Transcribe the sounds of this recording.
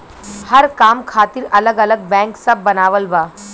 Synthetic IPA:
hɐɾkaːmkʰaːt̪ɪɾɐləɡɐləɡ̚bɛ̃ːŋksɐb̚ːɐnaːʋəlbaː

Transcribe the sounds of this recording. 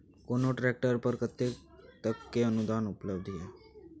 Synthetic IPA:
konoʈɾɛk̚ʈəɾpəɾkət̪ːe | t̪əkːeənud̪anupləbd̪ʱje

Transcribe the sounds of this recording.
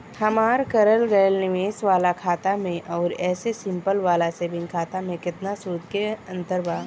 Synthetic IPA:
hɐmaːɾkɐɾəlɡɐjəlnɪʋeːsʋaːlakʰaːt̪amẽʔɔːɾɛːsesɪ̃mpəlʋaːlaseːbɪ̃nkʰaːt̪amẽkɪt̪nasuːɾd̪keɐ̃nt̪əɾbaː

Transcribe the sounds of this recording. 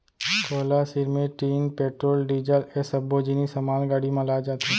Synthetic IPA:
kʰoːlasɪɾmẽʈiːnpeːʈɾoːlɖiːd͡ʒəlesɐboːd͡ʒinisɐmaːlɡaːɽimãlaːd͡ʒaːt̪ʰa

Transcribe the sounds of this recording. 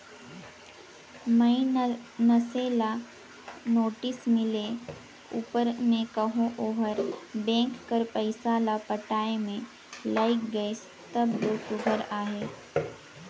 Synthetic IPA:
mɐinɐseːla | noːʈɪsmɪle | uːpəɾmẽkɐɦõʔoːɦəɾbɛ̃ːŋkːɐɾpəɪsaːlapɐʈaːemẽ | laːɪkɡəɪs | t̪ɐbd̪oːsʊbʱəɾaːɦeː

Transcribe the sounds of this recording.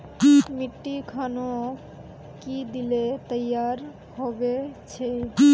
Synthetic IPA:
miʈːikʰano | kid̪ilet̪əjːaɾ | hɔbet͡ʃʰe

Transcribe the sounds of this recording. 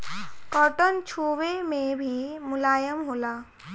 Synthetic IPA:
kɔːʈənt͡ʃʰuːwemẽbʱimʊlaːjəmɦoːlaː

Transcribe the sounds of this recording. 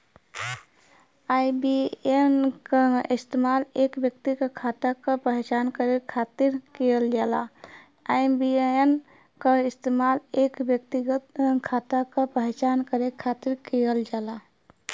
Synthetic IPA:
aːibienkaɪst̪eːmaːleːkwjək̚t̪ikakʰaːt̪akapəɦt͡ʃaːnkəɾekʰaːt̪ɪɾkejəld͡ʒaːla | aːjbien | kaɪst̪eːmaːleːkwjək̚t̪iɡət̪kʰaːt̪akapəɦt͡ʃaːnkəɾekʰaːt̪ɪɾkejəld͡ʒaːla

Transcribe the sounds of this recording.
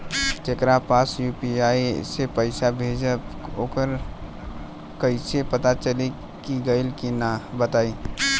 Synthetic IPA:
t͡ʃekɾapasjupiaisepəɪsabʱed͡ʒəoːkəɾ | kəɪsepət̪at͡ʃəli | kiɡəɪlkinabət̪aːi

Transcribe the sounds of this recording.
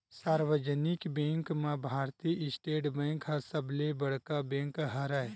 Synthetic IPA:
saːɾwəd͡ʒənɪkbẽːŋkmãbʱaːɾt̪iʔɪsʈeːʈbẽːŋkɦɐsəblebɐɽ̤kabẽːŋkɦɐɾae

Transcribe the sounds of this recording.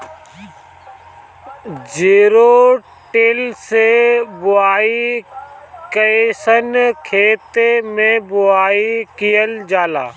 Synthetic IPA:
d͡ʒeːɾoː | ʈeːlsebʊaːi | kəesənkʰeːt̪emẽbʊaːikijəld͡ʒaːlaː

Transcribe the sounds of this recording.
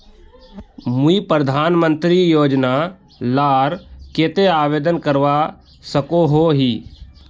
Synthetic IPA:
muipɾəd̪ʱaːnmə̃nt̪ɾijoːd͡ʒna | laːɾkeːt̪eaːʋeːd̪ənkəɾʋa | səkoɦoɦiː

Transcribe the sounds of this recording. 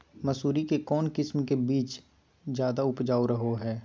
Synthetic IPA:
mɐsuːɾikekɔːnkɪsmkebiːt͡ʃ | d͡ʒjaːd̪aʊpd͡ʒaːoɾɐɦoɦɛː

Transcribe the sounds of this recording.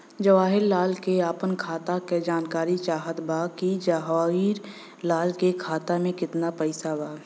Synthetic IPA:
d͡ʒəʋaːɦɪɾːaːlkeaːpənkʰaːt̪aked͡ʒaːnkaːɾit͡ʃaːɦət̪bakid͡ʒaɦaiːɾ | laːlkekʰaːt̪amẽkɪt̪napɛɪsabaː

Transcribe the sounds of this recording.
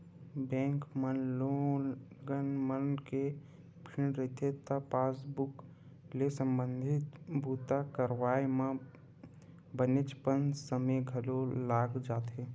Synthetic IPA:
bɛ̃ːŋkmənlonɡənmənke | pʰɪɽ̃ɾeɦt̪ʰet̪əpaːsbʊk | lesə̃mbə̃nd̪ʱɪt̪bʱuːt̪akəɾʋaːjmã | bənɪt͡ʃpənsəmeɡʱəlolaːɡd͡ʒaːt̪ɦe

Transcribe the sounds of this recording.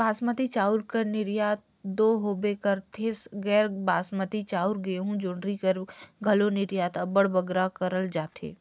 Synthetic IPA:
baːsmət̪it͡ʃaːʊɾkəɾnɪɾjaːt̪̚ | d̪oːɦoːbekəɾt̪ʰeːsɡɛːɾbaːsmət̪it͡ʃaːʊɾɡəeɦũd͡ʒʊːɳɖɾikəɾɡʱɐlonɪɾjaːt̪ɐbəɽbɐɡɾakɐɾəld͡ʒaːt̪ʰḛː

